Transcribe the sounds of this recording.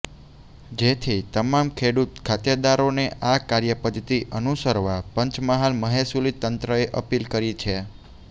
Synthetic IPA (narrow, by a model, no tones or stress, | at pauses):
d͡ʒet̪ʰit̪əmamkʰeɽut̪kʰat̪jəd̪aɾoneʔakaɾjəpəd̪ʱt̪iʔənusəɾʋapəɲt͡ʃməɦalməɦesulit̪ːənt̪ɾəeʔəpilkəɾit͡ʃʰe